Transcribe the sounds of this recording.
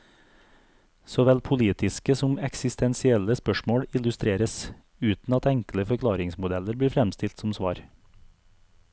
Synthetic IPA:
sɔʋɛlpʰʊliːt̪ɪskəsʊmɛksɪst̪ɛnsɪɛləspœʃmoːɽɪlʉst̪ɾeːɾəs | ʉːt̪n̩ɑt̪ɛŋkl̩əfœkʰlɑːɾɪŋsmʊd̪ɛləɾbiːɾfɾɛmst̪ɪlt̪sʊmsʋɑ̰ːɾ

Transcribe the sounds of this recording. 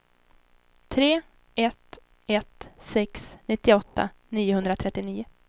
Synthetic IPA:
t̪ʰɾeː | ɛt̪ | ɛt̪sɛksnɪt̪ːɪɔt̪ːa̰niːʊɦɵnd̪ɾat̪ʰɾɛt̪ːɪniːʊ

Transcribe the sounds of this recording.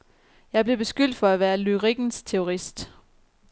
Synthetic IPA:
jɑ̈ɪb̥le̝b̥e̝sɡ̥yl̰d̥fɒ̽æʋæːɐlyʁiɡ̥n̩st͡sʰeo̝ʁisd̥

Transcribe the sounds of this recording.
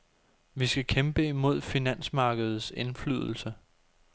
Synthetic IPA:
ʋisɡ̥ækʰemb̥əimo̝ð̞̰ˠfinæn̰smɑ̈ːɡ̥əð̞̩ˠse̝nflyð̞̰ˠl̩sə

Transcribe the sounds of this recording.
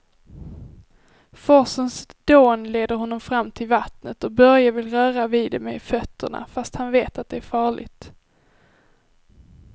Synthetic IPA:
fɔsənsd̪̥oːnleːd̪əɾɦɔnːɔmfɾamːt̪ʰɪlvat̪nət̪ɔbœɾjavɪlɾœːɾaviːd̪ɛmɛ̰fœt̪ʰːə̰ɳa̰fast̪hanveːt̪at̪̚d̪ɛæɾfɑːɭɪ̰t̪

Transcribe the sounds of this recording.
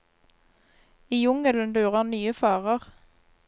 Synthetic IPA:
iːjʊŋələnd̪ʉːʁənyːəfɑːʁəʁ

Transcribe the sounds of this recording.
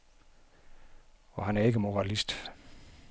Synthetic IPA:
ɒ̽ɦænæɐe̝ɡ̥əmo̝ʁɑlisd̥

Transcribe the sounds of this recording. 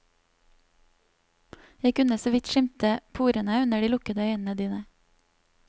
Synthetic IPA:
jæɪkʉnəsoːʋɪt̪ʃɪmt̪əpʰuːɾənəʉnəɖiːlʊkəd̪əœʏn̩əd̪iːnə

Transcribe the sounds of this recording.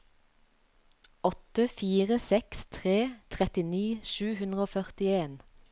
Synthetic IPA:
ɔt̪əfiːʁəsɛkst̪ʰʁeːt̪ʰʁɛt̪ɪniːʃʉːhʉnd̪ʁəoːfœʁt̪ɪeːn

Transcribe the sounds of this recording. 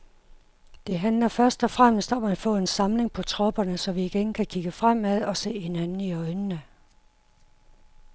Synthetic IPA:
d̥e̝ɦænlɐfɶɐsd̥ɒ̽fʁam̰sd̥ɒ̽mæd̥fɔ̰̽ːe̝nsɑ̈mle̝ŋpʰɒ̽t͡sʰʁɒ̽b̥ɐnəsɒ̽ʋiːɡ̥enkʰækʰiɡ̥əfʁam̰æðˠɒ̽se̝̰ːhe̝nænn̩iɒ̽ɪnənə

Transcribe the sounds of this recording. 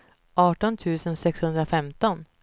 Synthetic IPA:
ʔɑːʈɔnt̪ʰʉ̟ːsənsɛkshɵnd̪ɾafɛmt̪ɔn

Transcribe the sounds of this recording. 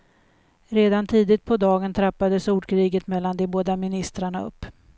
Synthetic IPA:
ɾeːd̪ant̪ʰiːd̪ɪt̪̚pʰɔd̪ɑːɡənt̪ʰɾapːad̪əsuːɖkʰɾiːɡət̪mɛlːand̪eːboːd̪amɪnɪst̪ɾaɳaɵ̰pː

